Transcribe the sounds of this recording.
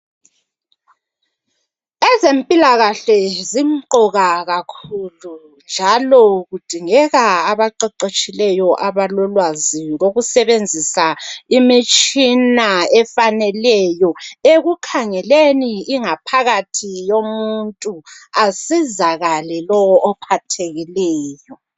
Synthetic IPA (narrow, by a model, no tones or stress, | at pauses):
ɛzempʼilaɣaɬɛzimǃɔɣaɣakʰulu | nd͡ʒʱalɔɣud̥ʱiŋɛɣaaβaǃɛǃet͡ʃʼilɛjɔʔaβalɔlwaziɣoɣusɛβend͡zʱisaimit͡ʃʼinaɛfanɛlɛjɔeɣukʰaŋɛleniːŋapʰaɣatʰijomuntʼuasizaɣalɛlɔwɔʔːpʰatʰeɣilɛːjɔ